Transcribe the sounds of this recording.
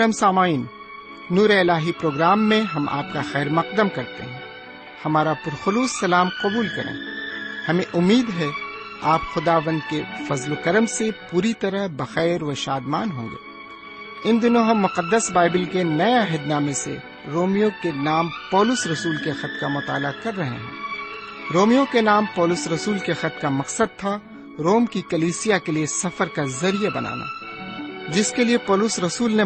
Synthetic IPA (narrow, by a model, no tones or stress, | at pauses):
əmsaːmaːiːnː | uːɾeɪlaːɦipɾoːɡɾaːmːẽɦɐmʔa̰ːp̚kaxɛːɾmɐq̚d̪əmkɐɾt̪ḛɦɛ̃ː | hɐmaːɾapʊɾxʊluːsːɐlaːmqɐbuːlkɐɾḛ̃ːhɐmẽʔʊmːiːd̪ɦɛ | aːpxʊd̪aːʋə̃nd̪̚kefɐzlokɐɾəmsepuːɾit̪ɐɾəɦbɐxɛːɾʋɐʃaːd̪maːnɦõːŋɡḛː | ɪ̃nd̪ɪnõɦɐ̃mːʊqəd̪ːəsbaːɪbɪlkenɐeaɦəd̪naːmesḛ | ɾoːmijõkenaːmpɔːlʊsɾɐsuːlkexɐt̪̚kamʊt̪a̰ːlakɐɾːɐɦḛɦɛ̰̃ː | ɾoːmijõkenaːmpɔːlʊsɾɐsuːlkexɐt̪̚kamɐqsəd̪̚t̪ʰa | ɾoːmkikɐliːsijakeliesɐfəɾkazɐɾijabɐna̰ːna̰ː | d͡ʒɪskeliepɔːlʊsɾɐsuːlne